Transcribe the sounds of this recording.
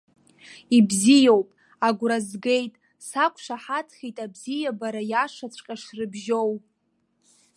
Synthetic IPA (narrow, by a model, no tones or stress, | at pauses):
ibzijowpʼ | aɡʷɾazɡe̞jtʼ | sakʷʰʼʂaħatʰχʲitʼabzijabaɾajaʂat͡sʷʰʼqʲʼaʂrɨbʒow